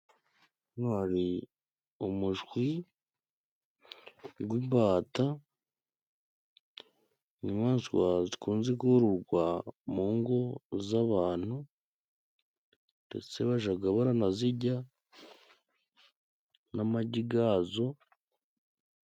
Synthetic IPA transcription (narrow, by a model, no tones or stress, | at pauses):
naɾi | umuʒɡwi | ɡwibaːta | ɲimaːnsiwa̰zikuːnzekuɾuɾɡwamuːŋɡo̞zaβaːn̥hu | nde̞̰t͡se̞βaʒaɡaβaɾanaziɟa | namaɟiɡazo̞